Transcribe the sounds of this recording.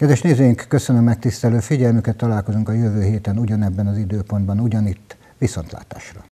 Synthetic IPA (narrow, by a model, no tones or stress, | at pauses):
kɛd̪ʋɛʃneːzeːjiŋkːøsønømːɛk̚t̪ist̪ɛløːfiɟɛlmykɛt̪ːɒlaːlko̞zuŋkɒjøvøːɦeːt̪ɛnuɟɒnɛbːɛnɒzid̪øːpo̞nd̪̚bɒnuɟɒnit̪ː | ʋiso̞nt̪la̰ːt̪a̰ːʃrɒ